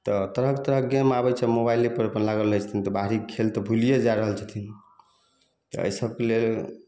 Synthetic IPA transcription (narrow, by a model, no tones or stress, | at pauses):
t̪ɔt̪əɾəɦkt̪əɾəɦɡɛmabɛt͡ʃʰɛmobajlipəɾəpənlaɡəlːət͡ʃʰt̪ʰint̪ɔbaɦɾikʰelt̪ɔbʱulijed͡ʒaɾəɦəlt͡ʃʰat̪ʰin | t̪ɔə̰jsəb̚kelel